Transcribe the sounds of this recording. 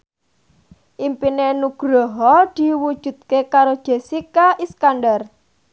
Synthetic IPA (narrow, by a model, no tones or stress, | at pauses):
ʔimpinenuɡ̥ɾɔɦɔd̪̥i̤wud̥ʒ̥ṳd̪̚kekaɾod̥ʒ̥e̤sikaʔiskanɖar